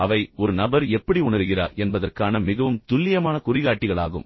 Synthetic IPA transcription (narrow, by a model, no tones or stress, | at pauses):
ɐʋɐɪɔɾɯnɐbɐɾɛpːɐɽiʊɳɐɾɯɣɪra̰ːɾɛnbɐðɐrkaːnɐmɪɣɐʋɯmt̪ʊlːɪjɐmaːnɐkʊrɪɣaːʈːɪɣɐɭa̰ːɣɯ̰m